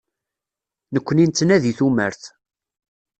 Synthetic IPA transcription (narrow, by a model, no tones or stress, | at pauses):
nəkʷːənint̪ːnæðiθumə̰ɾθ